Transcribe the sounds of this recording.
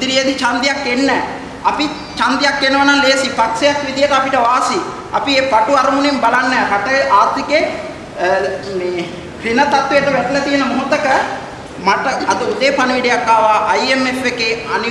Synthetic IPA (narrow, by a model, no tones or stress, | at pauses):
d̪iɾijɐd̪it͡ʃaːnd̪ijakːenːɛ | ɐpi | t͡ʃaːnd̪ijaːkːenːɐʋɐnaːnleːsipɐkseɐt̪ʋid̪ijɐt̪ɐpiʈːɐʋaːsi | ɐ̰piepɐʈːuɐɾɐmunembɐlɐnːɐpɐʈːɐʔaːt̪ːikːe | pinɐt̪ɐt̪ːueʈ̪ːɐʋɛʈlɐt̪ijɐnɐmuɦut̪ːɐkɐ | mɐʈːɐɐd̪uud̪eːpɐnɐʋiɽijakːaːʋaːʔɐjemefekːeɐn